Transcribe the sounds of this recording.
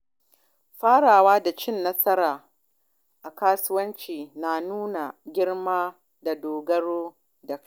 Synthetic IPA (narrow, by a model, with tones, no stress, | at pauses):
ɸaː˦ɽaː˨waː˦da˨t͡ʃɪ˦nːɐ˦sɐ˦ɾaː˨ | ʔa˨kaː˦sʊ˦wɐ˦nt͡ʃiː˨na˨nuː˦na˨ɡʲɪ˦ɽmaː˦ | da˨doː˨ɡɐ˦ɽoː˦ | da˨k